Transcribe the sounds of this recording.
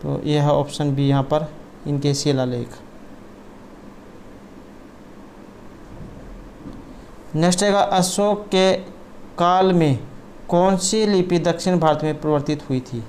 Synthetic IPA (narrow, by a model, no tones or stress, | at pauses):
t̪o̰ːjeɦo̰ːpsənbʱijɐɦãpəɾ | ɪnkeseːlalḛːk | nesʈeɡaʔəsoːkːe | kaːlmẽ | kɔːnsilipid̪əkʃɪnbʱaːɾət̪mẽpɾəʋəɾt̪ɪt̪ɦʊit̪ʰiː